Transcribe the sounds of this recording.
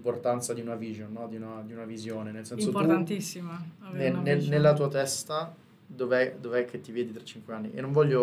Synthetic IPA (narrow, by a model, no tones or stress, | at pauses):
mport̪ant̪sad̪iunaviːʒonːɔd̪iunad̪iunavizjoːnenelsɛnsotp̪ut̪ant̪isːimanenenelːat̪uːat̪ɛst̪a | d̪oveɛd̪oveɛk̟ʰːet̪ːiveːd̪it̪ɾḁt͡ʃːiŋkweanːiʔḛnːoɱvɔʎːo